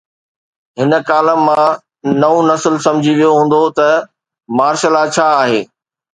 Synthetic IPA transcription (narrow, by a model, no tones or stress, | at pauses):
ɦɪnə̆kaːləmːã | nɐũnɐsəlsɐ̃md͡ʑʱiʋijoɦũːn̆d̪ot̪ɐ | maːɾʃəlat͡ɕʰaːɦeː